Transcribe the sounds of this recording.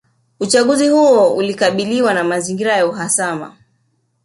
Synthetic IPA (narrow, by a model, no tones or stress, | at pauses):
ut͡ʃaɠuzihuɔulikaɓiliwanamaziŋɡiɾajauɦasama̰